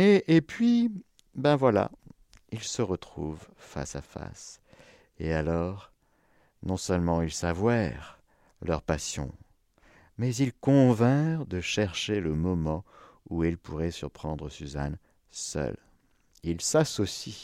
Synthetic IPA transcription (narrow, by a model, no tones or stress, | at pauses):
eʔːpɥi | bɛ̃vwala̰ | ilsəʁət̪χuvfa̰safa̰s | ealɔʁ | nɔ̃sœlmɑ̃ilsavwaʁ | lœʁpasjɔ̰̃ | mɛzilkɔ̃vɛ̃d̪əʃɛʁʃeləmɔmɑ̃ | uilpuʁɛsyʁpχɑ̃d̪ʁəsyza̰n | sœ̰l | ilsasɔsi